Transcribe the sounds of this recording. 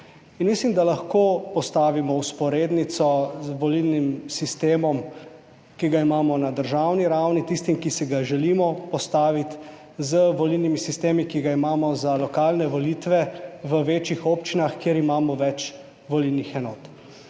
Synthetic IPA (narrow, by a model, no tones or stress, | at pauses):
inmislimd̪alaxkopɔst̪aːʋimɔuspɔɾeːd̪nit̪sɔzʋɔlilnimsist̪eːmɔm | kiɡaimaːmɔnad̪əɾʒawniɾawnit̪ist̪imkisiɡaʒɛlimɔpɔst̪aːʋit̪ | zəʋɔlilnimisist̪eːmikiɡaimaːmɔzalɔkaːlnɛʋɔlit̪ʋɛʋəʋeːt͡ʃixoːpt͡ʃinaxkjeɾimaːmɔʋɛt͡ʃ | ʋɔlilnixɛnɔːt̪